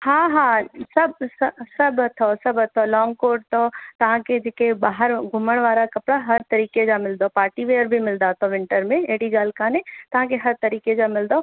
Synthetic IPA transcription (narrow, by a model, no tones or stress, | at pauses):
hãːɦãsɐbssɐbɦɐt̪ʰosɐbɐt̪ʰolɔːŋɡkoːɖ̚t̪ot̪ɐʋ̤ãked͡ʒeːkebaːɦəɾɡʱʊməɽ̃ʋaːɾakɐpɽaɦɐɾt̪ɐɾiːked͡ʒaːmɪld̪opaːɾʈiʋeːəɾbʱimɪld̪aːt̪ʰoʋɪ̃ɳʈəɾmẽeɦɽiɡaːlkaːnet̪ɐʋ̤ãkeɦɐɾt̪ɐɾiːked͡ʒamɪld̪o